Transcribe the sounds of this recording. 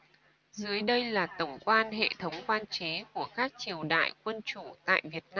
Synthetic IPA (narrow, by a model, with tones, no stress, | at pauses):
zɨ˨˦əjɗə˧jlaː˨˩t̪ə˧˩wŋ͡mkwaː˧nhḛ˧˨t̪ʰə˨˦wŋ͡mkwaː˧nt͡ɕe˨˦ku˧˩əkaː˦˥k̚t͡ɕi˨˩əwɗa̰ː˧˨jkwə˧nt͡ɕu˧˩t̪a̰ː˧˨jvi˨˩ət̚naː˧m